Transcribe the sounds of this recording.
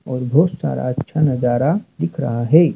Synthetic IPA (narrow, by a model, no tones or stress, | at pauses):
ɔːɾbʱɔːt̪sa̰ːɾa̰ɐtːʃʰanɐd͡ʒaːɾad̪ɪkʰɾɐ̰ɦaɦɛː